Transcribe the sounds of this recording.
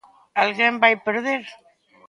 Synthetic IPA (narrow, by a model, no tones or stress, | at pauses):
alɣjembajpeɾðeɾ